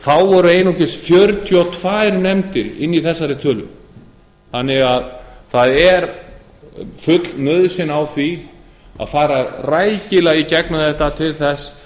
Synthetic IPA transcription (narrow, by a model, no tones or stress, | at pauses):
θawvɔɾʏejnɔcɪsfjœɾt̪ʰjʏat̪ʰv̥aːjɾnɛmt̪ɪɾɪ̰nːiθɛsːaɾɪt̪ʰœːlʏ̰m | θanːɪɣaðθaðɛɾ | fʏt̪lnœðsɪnawθvi | a̰ðfaːɾaraːjcɪlaɣicɛknaðɛht̪at̪ʰɪlθɛs